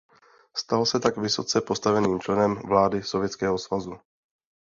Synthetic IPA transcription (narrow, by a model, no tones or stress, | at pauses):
st̪alosɛt̪aɡvɪso̞t͡sɛpo̞st̪avɛniːmt͡ʃlɛnɛmvlaːdɪso̞vjɛt͡skɛːɦo̞svazu